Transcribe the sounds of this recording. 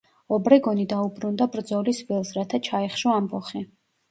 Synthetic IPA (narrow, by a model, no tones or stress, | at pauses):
ɔbɾɛɡɔnid̪aubɾund̪abɾd̪zɔlisvilˠsɾat̪ʰat͡ʃʰaiχʃɔambɔχi